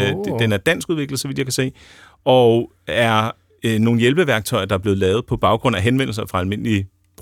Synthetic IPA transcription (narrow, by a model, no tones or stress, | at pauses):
d̥enæɐd̥æn̰sɡ̥uð̞ˠʋe̝ɡ̥lð̩ˠsɒ̽ʋid̥jɑ̈ɪkʰæse̝̰ː | ɒ | æɐ | no̝ːn̩jelb̥əʋæɐɡ̥̚t͡sʰɒ̽ɪɐd̥ɑ̈ɐb̥le̝ð̩ˠlɛːʊð̞̩ˠpʰɒ̽b̥ɑ̈ʊɡ̥ʁɔ̽n̰æɦenʋen̰l̩sɐfʁɑ̈ælme̝n̰li̥